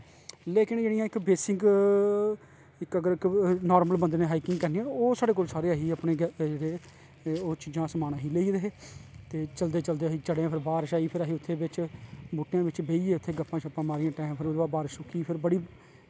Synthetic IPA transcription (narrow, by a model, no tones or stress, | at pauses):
leːkɪnd͡ʒeːɽijãːɪkbeːsɪ̃ŋɡ | ɪkəɡəɾɪknɔːɾməlbənd̪nẽːɦaːiːkɪ̃ŋɡkɛːɾniãːoːsaːɖeːk̬oːlsaːɾeːaːɦiːəpneːɡɾeː | oːt͡ʃid͡ʒãːsəmaːnãːɦiːleːiːɾeɦeːt̪eːt͡ʃəld̪eːt͡ʃəld̪eːaɦiːt͡ʃəɽeːãpʰɪɾbaːɾʃaːiːpʰɪɾaːɦiːʊt̪ʰːeːbɪt͡ʃbuːʈːejãːʋɪt͡ʃbeːiːeːʊt̪ʰːeːɡəpːãːt͡ʃʰəpãːmaːɾɪjãːʈãːɪmpʰɪɾoːd̪aːbaːɾʃʊkːiːpʰɪɾbəɽiː